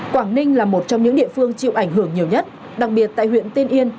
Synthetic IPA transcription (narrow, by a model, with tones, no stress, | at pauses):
kwaː˧˩ŋnï˧ŋ̟laː˨˩mo˨˩t̚t͡ɕɔ˧wŋ͡mɲɨ̰˧˥ŋɗḭ˧˨əfɨ˧əŋt͡ɕḭ˧˨wʔa˧˩jŋɦɨ˧˩əŋɲi˨˩əwɲə˦˥t̚ | ɗa˨˩k̚ɓi˨˩ət̚t̪a̰ː˧˨jhwḭ˧˨ənt̪e˧nʔi˧ən